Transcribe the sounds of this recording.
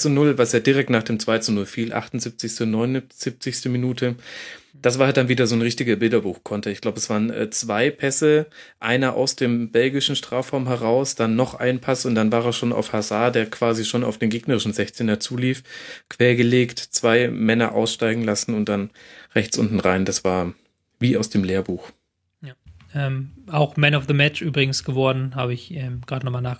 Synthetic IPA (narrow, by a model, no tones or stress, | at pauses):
t͡sunʊlvasjaːdiʁɛk̚tnaːχd̥eːmt͡sv̥aɪt͡sunʊlfiːlʔa̰χtʊnzɪp̚t͡sɪçstənɔʏnʊz̥ip̚t͡sɪçstəminuːtʰə | d̥asv̥aːhatd̥anviːdɐzoːnʁɪçtɪɡɐbɪldɐbuːxkʰɔntʰəɪçɡ̥laʊbəɛsv̥aːʁənʔɛ̰ːt͡sv̥aɪpʰɛsəʔaɪnɐʔa̰ʊsd̥eːmbɛlɡɪʃn̩ʃtʁ̥aːfʁaʊmɦɛʁaʊsd̥anːɔχʔa̰ɪnpʰasʊnt̚d̥anvaːʁɛːʃoːna̰ʊfhazaɐdeːɐkv̥aːziʃoːna̰ʊfd̥eːnɡeːɡnəʁɪʃn̩zɛçt͡senɐt͡suːliːfkv̥ɛːɐɡəleːktt͡sv̥aɪmɛnɐ̰ʔa̰ʊsʃtaɪɡŋ̩lasn̩ʊnt̚d̥anʁɛçt͡sʔʊ̰ntn̩ʁaɪndasv̥aːɐ | viːaʊsd̥eːmleːɐbuːx | jʔɛːmaʊxmɛnaʊfðəmɛt͡ʃʔyːbʁɪɡŋ̩sɡ̥əvɔɐdn̩haːbəɪçɛːmɡ̥ʁaːdənɔχmalnaːɡ